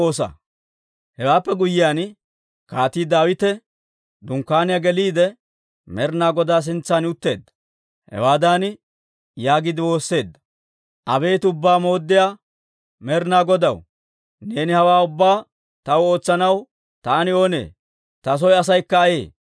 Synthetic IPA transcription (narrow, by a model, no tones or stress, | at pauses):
oːsɐ̰ | hɛwaːpːɛɡʊjːɪjaːn | kaːt̪iːd̪aːwɪt̪ɛ | d̪ʊŋkːaːnɪjaɡɛliːd̪ɛ | mɛɾnaːɡɔd̪aːs̬ɪnt͡sːanʊt̪ːe̞̰ːd̪ːɐ̥ | hɛ̰waːd̪aːn | jaːɡɪd̪ɪwo̞ːsːe̞ːd̪ːɐ̥ | ʔɐbe̞ːt̪ʊbːaːmo̞ːd̪ːɪjaː | mɛɾnaːɡɔd̪ɐw | neːnɪhɐwaːʊbːaː | t̪ɐwo̞ːt͡sːɐnɐw | t̪aːnɪo̞ːne̞̰ː | t̪ɐs̬ɔjɐs̬ɐjkːɐːjḛː